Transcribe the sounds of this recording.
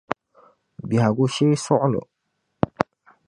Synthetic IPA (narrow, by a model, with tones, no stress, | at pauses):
bi˨ha˨ɡo˦ʃe˦sɔ˦lɔ̰˨